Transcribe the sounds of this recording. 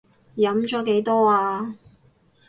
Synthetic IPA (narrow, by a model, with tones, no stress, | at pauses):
jɐ˨˥mt͡ʃɔː˨˥ke˨˥jt̪ɔː˥aː˧